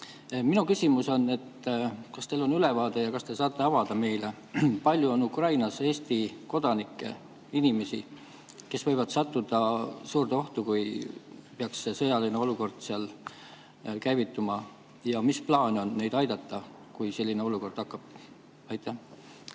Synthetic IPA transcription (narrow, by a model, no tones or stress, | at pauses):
minukysʲimuso̞nːe̞t̪kɑst̪e̞ːlo̞nylevɑːd̪̥e̞jɑkɑst̪e̞sɑːt̪ːˑe̞ɑvɑd̪̥ɑme̞jle | pɑlʲjuo̞nukrɑjnɑse̞ːst̪iko̞d̪̥ɑnikːˑe̞̰ | inime̞sḭ | ke̞svɤ̞jvɑd̪sɑt̪ˑːud̪̥ɑsuːrd̪eo̞ht̪ukujpeɑksːe̞sɤjɑlineo̞luko̞rd̪̥siɑl | kæjvit̪ːumɑ | jɑmisplɑːnʲo̞nːe̞jd̪ɑjd̪̥ɑt̪ːɑ | kujse̞lʲːine̞o̞luko̞rd̪̥ɑkːˑɑb̥̚ | ɑjt̪ːˑæh